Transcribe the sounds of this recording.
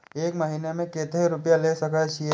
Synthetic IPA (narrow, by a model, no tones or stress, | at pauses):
eːkmɐɦiːnemẽkeːt̪eɾʊpjaleːsɐkat͡ʃʰi